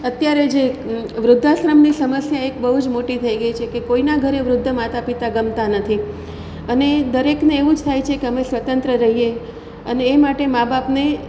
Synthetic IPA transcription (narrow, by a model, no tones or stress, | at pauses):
ət̪jaɾed͡ʒeʋɾʊd̪ʱːasɾəmnisəməsjaekbəɦud͡ʒmoʈit̪ʰəiɡəit͡ʃʰekekoinaɡʱəɾeʋɾʊd̪ʱːəmat̪apit̪aɡəmt̪anət̪ʰi | əned̪əɾekneːʋũd͡ʒt̪ʰajt͡ʃʰekeəmesʋət̪ənt̪ɾəɾəɦie | əneːmaʈemabapne